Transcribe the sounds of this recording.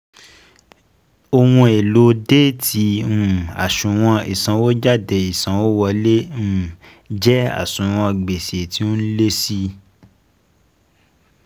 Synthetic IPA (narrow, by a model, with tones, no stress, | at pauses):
o˧wũ˧e˨lo˨˦de˦tʰi˧˦ũ˦˨a̰˨ʃũ˨w̃ɔ̃˧ḭ˨sã˨˦wo˦d͡ʒa˦˨de˨i˨sã˨˦wo˦wɔ˧le˦ũ˦˨ | d͡ʒɛ˦a̰˦˨sũ˨w̃ɔ̃˧ɡ͡be˨se˨ti˦ũ˦le˦si˦